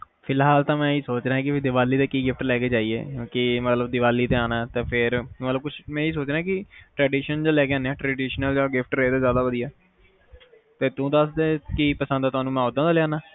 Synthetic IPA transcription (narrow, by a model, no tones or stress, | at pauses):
pʰɪlɦaːlt̪ãːmɛ̃ːiːsoːt͡ʃɾaːɦɛ̃ːkɪpʰːd̪ɪʋaːlːiːt̪eːkiːɡɪfʰʈlɛːkeːd͡ʒaːiːḛːkõːkɪmət̪ləbd̪ɪʋaːliːt̪eːaːnaːt̪ẽːpʰɪɾmət̪ləb̚kʊt͡ʃʰmɛ̃ːiːs̬oːt͡ʃɾaːɛːkɪʈɾɛːɖiːʃənd͡ʒaːlɛːkeːaːnːeɛːʈɾɛːɖiːʃnəld͡ʒaːɡɪfʰʈɾeːd̪aːzjaːd̪aːod̪iɛː | t̪eːt̪ũːd̪əsd̪eːkiːpəsə̃nd̪aːt̪ʊaːnũːmɛ̃ːoːd̪ãːd̪aːlɪjaːnaː